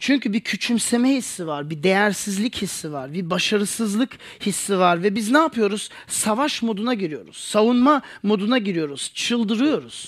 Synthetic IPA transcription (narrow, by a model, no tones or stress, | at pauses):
t͡ʃʰyɲcʰybicʰyt͡ʃʰymse̞mɛhisːivaɾbid̪e̞jæɾsizlʲichisːivaɾbibaʃaɾɯsɯzlˠɯk | hisːivaɾvɛbiznaːpɯjo̞ɾuz̥ | savaʃmo̞d̪unaɟiɾijo̞ɾṵz̥savunmamo̞d̪unaɟiɾijo̞ɾuz̥t͡ʃʰɯlˠd̪ɯɾɯjo̞ɾuz̥